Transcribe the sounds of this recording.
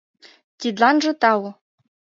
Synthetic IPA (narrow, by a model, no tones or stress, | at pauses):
t̪ʲid̪lɑnʐɤ̆t̪ɑwɤ̆